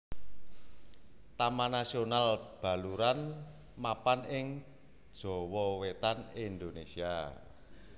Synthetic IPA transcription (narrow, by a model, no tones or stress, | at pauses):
t̪amanasionalb̥a̤luɾan | mapanɪŋ | d̥ʒ̥ɔ̤wɔwet̪anind̪onesia